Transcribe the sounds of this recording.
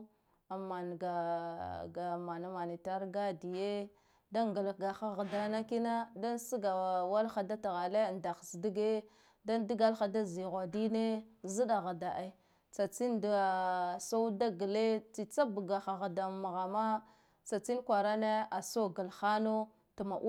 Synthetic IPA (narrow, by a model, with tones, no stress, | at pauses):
a˨ma˨n˨ɡa˨ɡa˨ma˨na˦ma˨ni˨ta˦ɾɡa˦di˨je˦ | da˦ŋɡa˨lɡa˨xa˦ɣa˨da˨na˦ki˦na˦da˦n˦si˦ɡa˨wa˦lxa˦da˦ta˨ɣa˨le˦˨nda˨xsdi˦ɡe˦ | da˦di˦ɡa˦lxa˨da˦zi˨ɣʷa˨di˦ne˦zi˦da˨ɣa˨da˨ʔa˦ | t͡sa˨t͡si˦ndso˦u˦da˦ɡə˨le˦t͡si˨t͡sa˦bu˨ɡa˨xa˨ɣa˨da˨ma˨ɣa˨ma˦ | t͡sa˨t͡si˦nkʷa˨ɾa˦ne˦a˨so˦ɡə˨lxa˦no˦ | ta˨ma˨ʔ